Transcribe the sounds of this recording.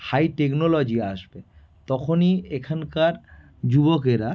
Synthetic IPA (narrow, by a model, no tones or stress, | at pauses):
hajʈeknolod͡ʑiaʃbe | t̪ɔkʰoniekʰankaɾ | d͡ʑubokeɾa